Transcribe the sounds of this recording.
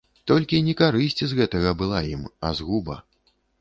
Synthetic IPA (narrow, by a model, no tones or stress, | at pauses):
t̪ɔlʲkʲinʲɛkaɾɨsʲt͡sʲizɣɛt̪ɐɣɐbɨlˠajimɐ̰zɣubɐ̰